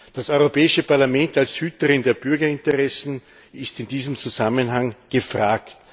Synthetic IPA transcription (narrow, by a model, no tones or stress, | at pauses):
d̥asɔʏʁopʰɛːɪʃəpaɐlamɛntalshyːtəʁɪndeːɐb̥ʏɐɡɐɪntəʁɛsn̩ | ɪstɪndiːzəmt͡suzamənɦaŋɡ̥əfʁaːkt